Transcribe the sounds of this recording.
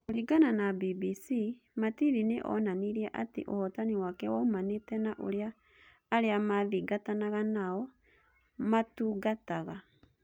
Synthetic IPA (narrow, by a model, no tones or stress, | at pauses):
oɾiɡananabibisi | matiɾineʔɔ̰naniɾiɛʔatḛʔo̰hɔtaniwakɛwaomaneːtɛnaʔo̰ɾeaː | ɾeamaðiɡatanaɣanaɔ | matuːɡataɣa